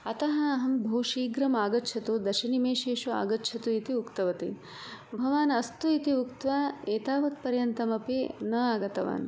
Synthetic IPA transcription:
ɐt̪ɐɦɐːɦɐmbʱɐwʃiːɡɾɐmaːɡɐtːt͡ʃʰɐt̪ud̪ɐʃɐnimeːʃeːʃua̰ːɡɐtːt͡ʃʰɐt̪uit̪iukt̪ɐʋɐt̪ḭ | bʱɐʋaːnɐst̪uit̪iukt̪ʋaːeːt̪aːʋɐt̪pɐɾjɐnt̪ɐmɐpinɐaːɡɐt̪ɐʋa̰ːn

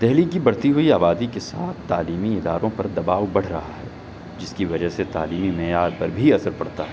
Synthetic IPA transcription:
d̪ɛɦlikibɐɽt̪iɦuiaːbaːd̪ikesaːt̪ʰt̪aːliːmiɪd̪a̰ːɾõpɐɾd̪ɐbaːʋbɐɽ̤ɾɐɦaɦɛː | d͡ʒɪskiʋɐd͡ʒəɦset̪a̰ːliːmimɛjaːd̪̚pɐɾbʱiɐsəɾpɐɽt̪aɦɛ

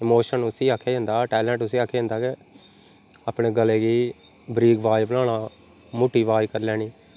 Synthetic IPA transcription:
ɪmoːʃənʊsĩːaːkʰːeːɪ̃nd̪aːʈɛːlɛ̃ːɳʈʊsĩːaːkʰːeːɪ̃nd̪aːkɪ | aːpɳeːɡəleːɡiː | bɾiːɡʋaːibəlaːnaː | moːʈiːʋaːikəɾlɛːniː

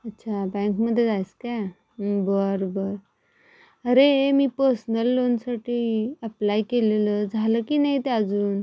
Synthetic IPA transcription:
ətːɕʰabɛ̃ŋkməd̪ʱːjet̪ajska | bəɾbəɾ | əɾemiːpəɾsnəlːonsaʈʰiːəplajkeleləd͡zʱaləkiːnait̪eəd͡zuːn

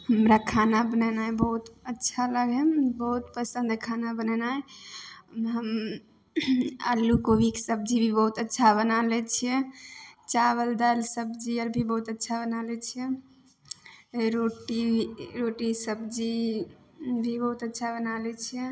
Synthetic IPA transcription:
həmɾakʰanabənənajbəɦut̪ətːʃʰaləɡɛbəɦut̪pəsə̃nd̪kʰanabənənaj | ɦəm | ə̰lːukobʱiksəb̚d͡ʒibʱibəɦut̪ətːʃʰabənalɛt͡ʃʰijɛt͡ʃaβəld̪alsəbd͡ʒiəɾbʱibəɦut̪ətːʃʰabənalɛt͡ʃʰiɛ | ɾoʈiɾoʈisəbd͡ʒi | bʱibəɦut̪ətːʃʰabənalɛt͡ʃʰijɛ

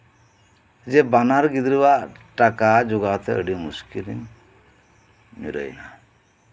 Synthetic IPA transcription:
d͡ʒɛbanaɾɡid̪ɾibaʔʈakad͡ʒuɡat̪ɛə̰ɖimuskilḭɲ | mḭɾə̰jna

